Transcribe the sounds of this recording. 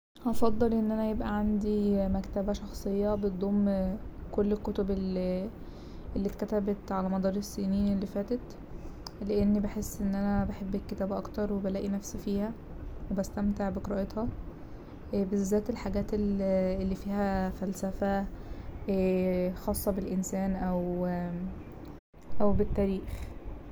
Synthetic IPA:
ʔɑfɑd̪ˤːelʔenːʔænæjebʔæʕand̪imækt̪æbæʃɑxsˤejːɑbet̪̚d̪ˤoːmkolːelkːot̪obel | ʔelːit̪kæt̪æbet̪ʕalæmɑd̪ˤɑːɾˤesːiːniːnelːifæːt̪et̪ | leʔenːibeħesːʔenːʔænæbeħebːekːet̪æːbʔɑkt̪ɑɾˤwebælæːʔinæfsifiːhæ | webæst̪æmt̪eʕbekɾɑʔet̪hɑ | bezːæːt̪elħaɡæːt̪elelːiːfiːhæfælsæfæ | xɑːsˤːɑbelʔensæːnʔæw | ʔæwbet̪ːæːɾiːx

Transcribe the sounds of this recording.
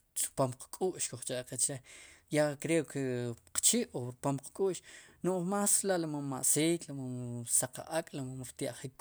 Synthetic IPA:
sʼpomqkʼuːʔʃkoχt͡ʃʼaʔqet͡ʃɾejakɾekʰeqt͡ʃiʔoɾpomqkʼuːʔʃnoʔmaːsɾlaʔlamammaʔsiːklamamsaqa̰ʔakʼlamamɾt̪jaʔχik

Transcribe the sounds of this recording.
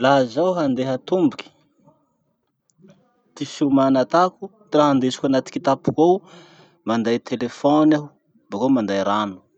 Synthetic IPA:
lazawɦand̪eɦat̪umbukʲi̥ | t̪ifumanat̪aku | raɦand̪esi̥kʲanat̪i̥kit̪apukow | mand̪ajt̪ʰelefonau | bakamand̪ajɾanu̥

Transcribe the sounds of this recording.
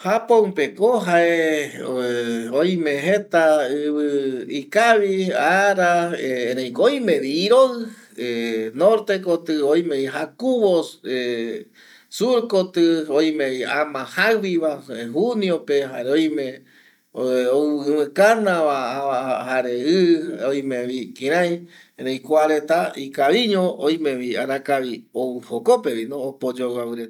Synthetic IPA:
hapoũpekoɦae | ojmẽɦet̪aɨβɨikaβiaɾaeeɾẽj̃kojmẽβiɾoɨ | enoɾt̪ekot̪ɨojmeiɦakuβose | suɾkot̪ɨoj̃mẽβiamãhaβiβahuniopeɦaɾeojmẽ | oɨ̃mɨ̃kanãβaahaɾeɨoj̃mẽβikĩɾãj | eɾejkʷaɾe̞t̪aikaβiɲõoj̃mẽβia̰ɾãkaβioɨhokope̞βinoːpod͡ʒowaβɨɾet̪

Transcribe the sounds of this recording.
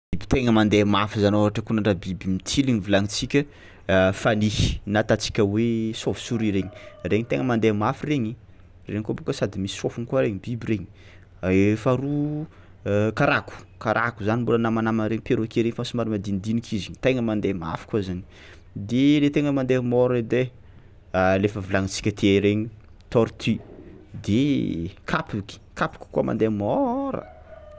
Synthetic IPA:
bibi̥t̪eŋəmand̪emafizanoɦaʈ͡ʂəkunaɳɖ͡ʐabibimit͡sʰiliŋivilaŋit͡sikʲə | fanihi̥nat̪at͡si̥kʲəwesovi̥suɾiɾeɲi̥reɲit̪eŋəmand̪emafireɲi | rḛɲkobokəsad̪imisi̥sofunikuaɾeɲibibiɾeɲi̥ | faɾu | kaɾaku̥ | kaɾʔakuzanimbolənamanamanɾeɲipeɾokeɾeɲfasimaɾimad̪inid̪inikʰiziɲit̪eŋəmand̪ema̰fi̥kuazaɲi̥ | d̪elet̪eŋəmand̪emɔɾed̪e | alefəvulaŋit͡si̥kʲət̪ʰeɾeɲi | t̪ɔɾt̪ʰid̪ekʰapuki̥kapu̥kʲi̥kuama̰nd̪emɔɾə̰

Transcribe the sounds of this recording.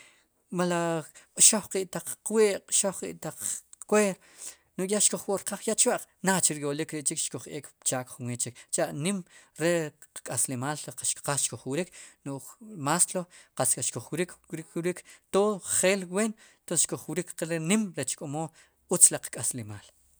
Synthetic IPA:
malaqʼʃoχqiːʔt̪aq͡χːweːʔqʼʃoχqʼḭʔt̪aq͡χkweːɾ | nuʔjaʃkoχwoʔɾqaχjaʔt͡ʃwaʔq͡χnat͡ʃiɾjolikɾeʔt͡ʃikʃkoχʔeːkpt͡ʃaːkχunwet͡ʃikt͡ʃaʔnimɾeqkʼaslemaːlqʃqasʃkoχwiɾiknuʔmasloqaskʼaʃkoχwɾikikɾikt̪oχeːlweːnt̪onsʃkoχwɾikqeɾenimɾet͡ʃkʼomoː | ut͡slaqkʼaslemaːl

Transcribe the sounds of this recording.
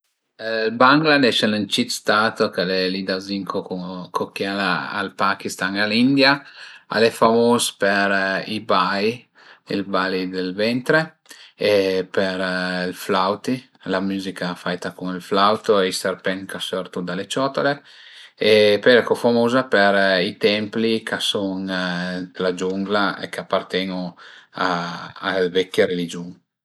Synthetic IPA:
lbaŋɡlad̪ɛʃɛlənt͡ʃit̪st̪aːt̪okalɛlid̪aziŋkʰokukʰokːjaaa̰lpakist̪aŋalind̪jaa̰lɛfamoːzpeɾibajj | ilbalid̪elvɛnt̪ɾe | epeɾilflawt̪i | lamuːzikafajt̪akuŋilflawt̪oist̪eɾpɛŋkasøɾt̪ud̪alet͡ʃɔt̪ole | epɛɾɛkɔfamoːzapeɾit̪ɛmplikʰasɔŋ | lad͡ʒuŋɡlaḛkapːart̪ɛŋuaː | lvɛkːeɾelid͡ʒuŋ

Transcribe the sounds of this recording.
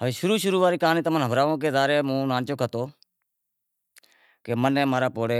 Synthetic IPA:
ɦəʋeːʃʊɾuːʃʊɾuːʋaːɾiːkaːniːt̪aːmənɦəbɾaːʋõːkeːd̪aːɾeːmũːnãːnt͡ʃoːkʰət̪oː | keːmənẽːmaːɾaːpoːɽeː

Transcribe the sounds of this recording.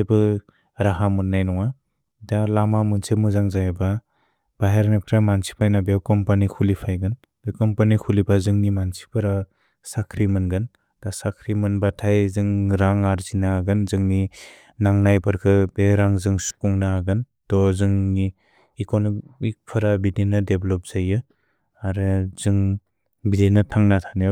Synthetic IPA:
bɯ | ɾaɦamɯnːajnɔŋa | dalamamɯnsemɯzaŋzajba | b̥aɦaɾnapʰɾamansi̥pʰajnabewkɔmpanikʰulipʰajɡɯn | d̥ɯkɔmpanikʰulibazɯŋnimansi̥pʰɯɾa | sakʰɾimɯnɡɯn | d̥asakʰɾimɯnbatʰajzɯŋɾaŋaɾzinaɡɯnzɯŋni | naŋnajbɯɾkʰɯbeɾaŋzɯŋsu̥kuŋnaɡɯn | tɔzɯŋniː | konɔmik̚pʰɯɾabidenɯdeblɔp̚z̥ajɯ | aɾɯz̥ɯŋ | bidenatʰaŋnatʰanɯ

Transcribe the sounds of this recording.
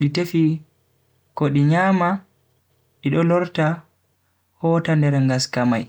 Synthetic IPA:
ɗitefi | kɔɗiɲaːma | ɗiɗɔlɔɾta | hɔːtandɛɾŋɡaskamaj

